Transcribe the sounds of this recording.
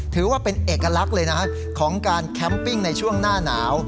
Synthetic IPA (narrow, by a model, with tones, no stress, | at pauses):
t̪ʰɯː˩˦waː˥˩pe˧nʔeː˨˩kːa˧la˦˥k̚lɤː˧jna˦˥kʰa˦˥ | kʰɔː˩˦ŋkaː˧nkʰɛ˦˥mpi˥˩ŋna˧jt͡ɕʰu˥˩əŋnaː˥˩naː˩˦w